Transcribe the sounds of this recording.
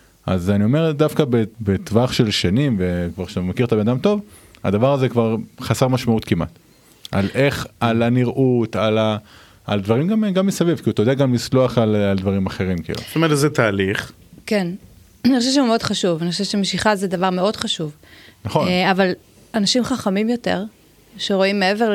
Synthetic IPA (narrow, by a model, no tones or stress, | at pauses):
ʔa̰zanio̞me̞ʁdafkabebet̪vaχʃe̞lʃanimvekvaʁʃtamakiʁt̪abe̞nadamt̪o̞va̰d̪avaʁazekvaʁχaseʁmaʃmaut̪kimʔa̰t̪ | ʔalʔe̞χalaniʁʔut̪alaː | ld̪vaʁimɡamɡamːisavivkiut̪ajodeaɡamlislo̞aχalald̪vaʁimaχe̞ʁimkḭlṵ̥t̪ometlzɛt̪aːliχ | ken | anixχoʃeʃ̬eumeodχaʃuvaniχo̥ʃeʃemeʃiχazed̪avaʁme̞o̞dχaʃuvnaχonaval | anaʃimχaχamimjo̞te̞̰ʁ | ʃeʁo̞imːeeveʁ